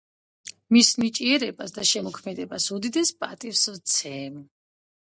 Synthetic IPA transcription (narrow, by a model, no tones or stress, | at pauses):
misnit͡ʃʼiɛɾɛbasd̪aʃɛmɔkʰmɛd̪ɛbasud̪id̪ɛspʼat̪ʼifsvt̪sʰɛːm